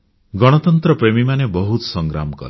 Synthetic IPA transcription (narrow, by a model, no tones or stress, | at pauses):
ɡɔɽ̃ɔt̪ɔnt̪ɾɔpɾemimanebɔɦut̪ɔsɔŋɡɾa̰mɔkɔ̰l